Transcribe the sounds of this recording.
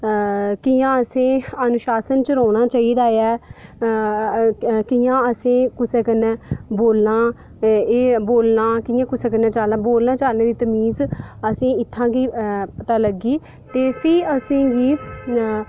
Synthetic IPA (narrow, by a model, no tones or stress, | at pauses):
kijãːəsẽːənʊʃaːsənt͡ʃəɾaːnaːt͡ʃaːiːd̪aːjɛː | kijãːəsẽːkʊseːkənɛːboːlnãː | eːboːlnãːkiːjãːkʊseːk̬ənɛːt͡ʃaːlnãːboːlnãːt͡ʃaːlnẽːd̪iːt̪əmiːzəsĩːɪt̪ʰːãːɡiːt̪ãːləɡiː | t̪eːsĩːəsĩːɡiː